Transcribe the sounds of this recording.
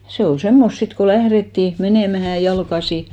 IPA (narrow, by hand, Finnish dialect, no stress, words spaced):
se ol semːost sit ko læhretːiˑ meneˑmæhæ jɑlkɑsi